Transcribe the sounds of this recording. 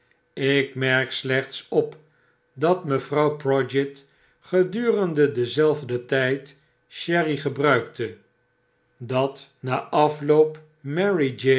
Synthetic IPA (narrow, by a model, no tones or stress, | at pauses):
ɪkmɛɹkslɛχtsɔp | dɑtməvrɑwprɔd͡ʒɛt | χədyːrəndədəzɛlˠvdətɛjt | ʃɛriχəbrœɥktə | dɑtnaːʔɑflowp | mɛɹid͡ʒe